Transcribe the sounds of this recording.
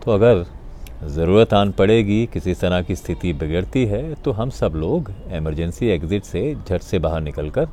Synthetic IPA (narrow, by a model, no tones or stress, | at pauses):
t̪oɐɡəɾ | zɐɾuːɾət̪aːnpɐɽeːɡikɪsist̪ɐɾakist̪ʰɪt̪ibɪɡəɽt̪iɦɛt̪oɦɐmsɐbloːɡeməɾd͡ʒɛ̃nsieːkzɪʈsed͡ʒʱɐʈsebaːɦəɾnɪkəlkəɾ